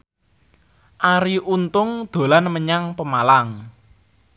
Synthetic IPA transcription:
ʔaɾiʔunt̪ʊŋd̪̥o̤lanməɲaŋpəmalaŋ

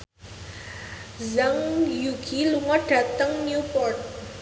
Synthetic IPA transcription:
zaŋjuɡiluŋɔɖ̥a̤t̪əŋnjupɔrt̪̚

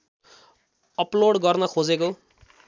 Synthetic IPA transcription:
ʌploɽɡʌrnʌkʰod͡zeko

